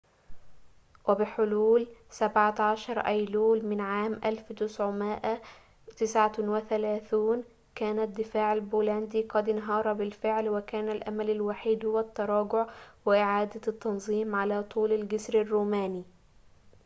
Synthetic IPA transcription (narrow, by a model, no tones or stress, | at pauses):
wɪbɪħʊluːlsabʕat̪ʕaʃɑɾˤʔæjluːlmɪnʕaːmʔalft̪ɪsʕʊmɪʔa | t̪ɪsʕawɪθælæːθuːn | kæːnad̪ːɪfaːʕɪlbuːlænd̪iːqɑd̪nɦɑːɾˤɑbɪlfɪʕlwɪkæːnalʔa̰malalwaħiːd̪hʊwat̪ːɑɾˤɑːɡʊʕwɪʔɪʕaːd̪at̪ːɑnzˤiːmʕalaːt̪ˤuːlalɡɪsɾarːuːmaːniː